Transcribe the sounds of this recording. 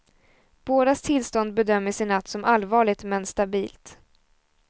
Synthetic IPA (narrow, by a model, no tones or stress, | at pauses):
b̥oːd̪ast̪ʰɪlst̪ɔnd̪̚bɛd̪œmːəʂɪnːat̪ːsɔmʔalːvɑːɭɪɡ̚t̪mɛnst̪abiːlt̪